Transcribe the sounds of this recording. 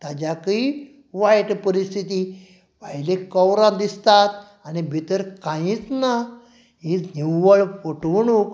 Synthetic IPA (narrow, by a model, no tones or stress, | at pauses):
t̪ad͡ʑaki | ʋajʈpəɾist̪ʰit̪i | ʋajlekəwɾãd̪ist̪at̪ | anibʱit̪əɾkãĩt͡sna | ɦit͡sniwʋəɭpoʈʋɳuk